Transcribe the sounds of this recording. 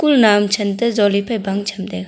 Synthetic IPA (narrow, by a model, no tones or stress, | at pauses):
kulnamt͡ʃʰɐntɐzɔlipʰajbaŋt͡ʃʰɐmdeɡ